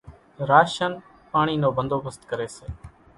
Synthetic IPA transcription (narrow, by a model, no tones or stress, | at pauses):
ɾaːʃən | paːɳ̃iːnoːbənd̪oːbəst̪kəɾeːseː